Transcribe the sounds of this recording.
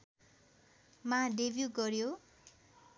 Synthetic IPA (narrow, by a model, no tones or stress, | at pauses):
mãɖebjuɡʌrjo